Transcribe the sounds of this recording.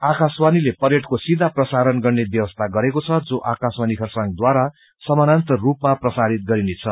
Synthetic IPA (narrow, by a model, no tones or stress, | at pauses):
akʰaswanilepʌɾeʈkosid̪ʱaprʌsaɾʌnɡʌrnebjʌwʌst̪ʰaɡʌɾekot͡sʰʌd͡zoʔakʰaswanikʰʌrsaŋd̪waɾa | sʌmanant̪ʌrupmaprʌsaɾit̪̚ɡʌɾinet͡sʰʌ